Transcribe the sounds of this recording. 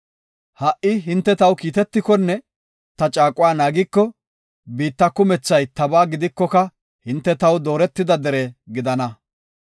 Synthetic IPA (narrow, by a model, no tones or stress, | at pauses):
hɐʔɪɦɪnt̪ːɛt̪ɐwkiːt̪ɛt̪ːɪkɔnːɛ | t̪ɐt͡ʃʼaːkʼʊwaːnaːɡɪkːɔ | biːt̪ːɐkːʊmɛt͡sːɐjt̪ɐbaːɡɪd̪ɪkːɔkɐ | hɪnt̪ːɛt̪ɐwd̪oːɾɛt̪ːɪd̪ɐd̪ɛɾeɡɪd̪ɐnɐ